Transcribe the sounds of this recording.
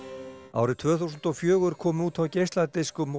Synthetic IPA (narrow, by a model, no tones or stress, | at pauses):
a̰ːwɾɪt̪ʰv̥œːθuwsʏnt̪ɔfjœːɣʏɾ̥kʰɔːmʏuːt̪fawcejst̪lant̪ejskʏm